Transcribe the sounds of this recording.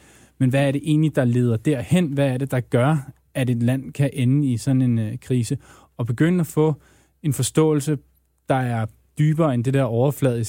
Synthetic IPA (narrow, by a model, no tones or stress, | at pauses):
menʋæːɐɾe̝ʔe̝̰ːnlid̥ɑ̈le̝ːð̞ˠɐd̥æɐhen̰ʋæːɐɾ̥e̝d̥ɑ̈ɡ̥ɶɐ | æɾe̝d̥læn̰kʰæʔenəisɒ̽n̩e̝nkʰʁiːsə | ɒ̽b̥e̝ɡ̥ønəæfɔ̰̽ː | e̝nfɒ̽sd̥ɔ̰̽ːl̩sə | d̥ɑ̈æɐ | d̥yːb̥ɐːend̥e̝d̥ɛɐ̰ɒʊɐflɛðˠi